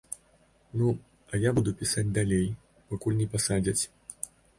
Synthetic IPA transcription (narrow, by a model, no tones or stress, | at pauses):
nu | ɐjabud̪upʲisad͡zʲd̪alʲej | pakulʲnʲɛpasad͡zʲɐt͡sʲ